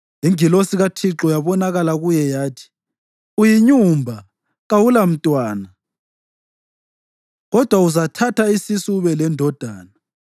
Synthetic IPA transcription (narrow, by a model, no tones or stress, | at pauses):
iŋilosiɣatʰiǁɔjaβɔnaɣalaɣujɛjaːtʰi̥ | ujiɲumbʱa | ɣawulam̩tʼwaːna | ɣɔd̥ʱwauzatʰatʰaisisuβɛlɛndʱɔd̥ʱaːna